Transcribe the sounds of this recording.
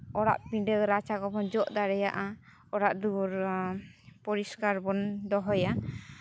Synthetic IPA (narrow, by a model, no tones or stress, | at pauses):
ɔɽa̰ʔpiɖəɾat͡ʃakɔbɔnd͡ʒɔʔd̪aɾɛjaʔa | ɔɽaʔd̪uɾ | pɔɾiskaɾbɔnd̪ɔɦɔja